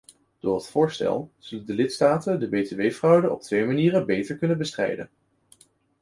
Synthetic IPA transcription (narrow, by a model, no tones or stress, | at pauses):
d̥ʊːɹətfʊːɹstɛ̰lˠz̥ɵləndəlɪtstaːtəndəbejteʋejfrʌwdənɔ̰p̚tʋejmaniːrəbejtəɹkɵnənbəstrɛ̰jdə̰n